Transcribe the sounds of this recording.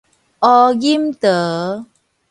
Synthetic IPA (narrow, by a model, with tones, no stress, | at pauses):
ʔɔ˧ɡi˦mt̪ə˨